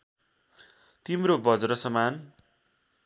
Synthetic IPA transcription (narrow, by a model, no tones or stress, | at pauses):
t̪imrobʌd͡zɾʌsʌman